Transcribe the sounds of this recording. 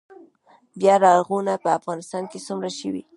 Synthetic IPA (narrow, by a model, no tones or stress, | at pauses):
bjɑɾɑɣunapəafɣɑnɪst̪ɑnket͡sumɾaʃəwḭ